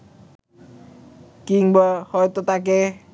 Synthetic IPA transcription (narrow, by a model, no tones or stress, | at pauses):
kiŋbɔhɔjt̪ut̪ak̬e